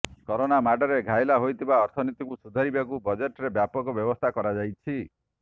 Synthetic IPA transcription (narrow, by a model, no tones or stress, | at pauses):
kɔɾonamaɖɔɾeɡʱajlaɦojt̪ʰibaɔɾt̪ʰɔnit̪ikusud̪ʱaɾibakubɔd͡ʒeʈɔɾebjapɔkɔbjɔbɔst̪ʰakɔɾad͡ʒajt͡ʃʰi